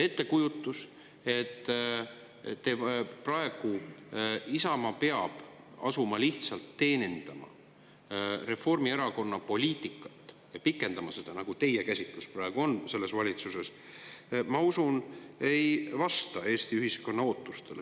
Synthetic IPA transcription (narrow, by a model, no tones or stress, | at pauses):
e̞t̪ːe̞kujut̪ːˑus | e̞t̪ː | eprɑe̞ɡ̥u | isɑmɑpe̞ɑb̥ | ɑ̰sumɑliht̪sɑlt̪ːe̞ːnʲind̪̥ɑmɑ̰ | re̞fo̞rmieɾɑko̞nːɑpo̞lʲiːt̪ˑikːˑɑ̥t̪ːˑ | jɑpikːˑe̞nd̪̥ɑmɑse̞d̪̥ɑnɑɡ̥ut̪e̞jekæsʲit̪lusprɑeɡ̥uo̞nse̞lːe̞svɑlʲit̪suse̞s | mɑusune̞jvɑst̪ɑe̞ːst̪iyɦisko̞nːɑo̞ːt̪ˑːust̪e̞l